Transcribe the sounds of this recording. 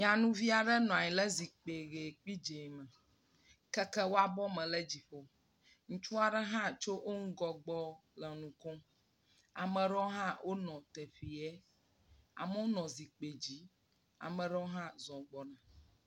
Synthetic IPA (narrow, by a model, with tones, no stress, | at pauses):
ɲ˨ã˨nũ˦vi˦a˨ɖɛ˦nɔ̃˨a˨ɲĩ˨lɛ˦zi˨k͡pe˨ɣe˨k͡pi˦d͡ʒe˨mɛ̃˨ | kɛ˦kɛ˦wo˦a˦bɔ˦mɛ̃˨lɛ˦d͡ʑi˨ɸo˦ | ŋũ˦t͡ʃu˦a˨ɖɛ˦ɦã˦t͡ʃo˦wo˦ŋ̩˦ɡɔ˦ɡ͡bɔ˦lɛ˨nũ˨kɔ̃˦ | a˨mɛ̃˨ɖɔ˦ɦã˦wʔo˦nɔ̃˨t̪ɛ˨ɸi˨ɛ˦ | a̰˨mə˦wo˦nɔ̃˨zi˨k͡pe˨d͡ʑi˦ | a̰˨mɛ̃˨ɖɛ˦o˦ɦã˦zɔ̃˨ɡ͡bɔ˦nã˨